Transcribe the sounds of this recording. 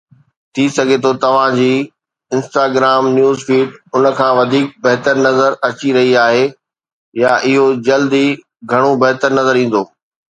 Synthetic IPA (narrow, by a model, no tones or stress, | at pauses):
t̪ʰisɐɡʱet̪ʰot̪ɐʋ̤ãd͡ʑiː | ɪ̃nsʈaːɡɾaːmnjuːzfiːʈʊnə̆kʰãːʋɐd̪ʱiːk̚bɐɦt̪əɾnɐzəɾɐt͡ɕiɾɐɦiaːɦe | jaʔɪɦod͡ʑɐld̪i | ɡʱɐɽ̃obɐɦt̪əɾnɐzəɾĩːn̆d̪oː